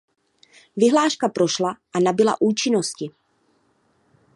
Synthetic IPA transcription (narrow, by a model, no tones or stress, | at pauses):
vɪɦlaːʃkapɾo̞ʃlaʔanabɪla̰ʔuːt͡ʃɪno̞scɪ